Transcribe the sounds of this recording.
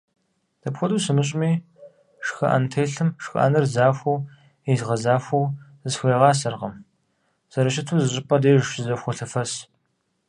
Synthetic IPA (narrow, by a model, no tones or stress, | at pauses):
d̥ɐpxʷɔduːsɨmɨɕʼmiː | ʂxɐ̰ʔɐ̰ntʰejɬɨmʂxɐ̰ʔɐ̰nɨrzaːxʷɐw | ezʁɐzaːfʷɐw | zxʷeːʁɑːsɐrʁɐ̰m | z̥ɐɾɐʃɪtʰuzɨɕʼɪpʰʼɐdeːjʒʃɪzɐxʷɔɬɨfɐs